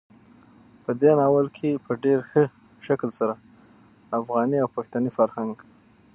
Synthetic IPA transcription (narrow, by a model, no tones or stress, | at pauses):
pəd̪enɑwəlkʰepəɖeɾxə | ʃaklsaɾa | afɣɑniawpaxt̪anifaɾhaŋɡ